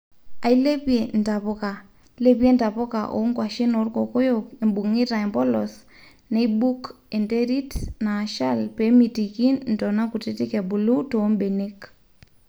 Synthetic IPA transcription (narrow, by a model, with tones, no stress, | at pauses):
a˨i˦le˦pje˨nta˨po˦ka˨ | le˦pe˦nta˨po˦ka̰˨ʔo̰˨˦ŋkwa˨ʃi˦no˨rko˨ko˦joki˨mbu˨ŋɪ˦ta˨e˨mbɔ˦lɔ˨s | ne˦bu˦k | e˨nte˦ɾi˦tna˨ʃa˦lpe˨˦mi˨ti˨ki˦nn̩tɔ˨na˦ku˨te˦ti˦kɛ˨bu˨lu˦to˨˦mbe˨ne˦k